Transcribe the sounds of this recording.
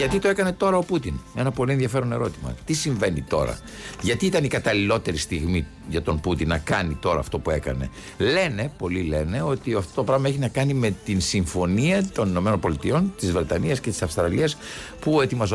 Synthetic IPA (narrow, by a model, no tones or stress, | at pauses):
ʝɐt̪it̪oe̞kɐne̞t̪o̞ɾɐo̞put̪inenɐpo̞lienðjɐfe̞ɾo̞ne̞ɾo̞t̪imɐ̰t̪isiɱve̞nit̪o̞̰ɾɐ̰ | ʝɐt̪iit̪ɐnikɐt̪ɐlilo̞t̪e̞ɾist̪iɣmi | ʝɐt̪o̞mput̪inːɐkɐnit̪o̞ɾɐ̰ːft̪o̞pue̞kɐ̰ne̞̰ | le̞ne̞po̞lile̞ne̞o̞t̪iɐft̪o̞t̪o̞pɾɐɣmɐeçinɐkɐnime̞t̪insiɱfo̞niɐt̪o̞nino̞me̞no̞npo̞lit̪io̞nt̪izvɾe̞t̪ɐniɐsce̞t̪i̥sɐfst̪ɾɐliɐspue̞t̪imɐz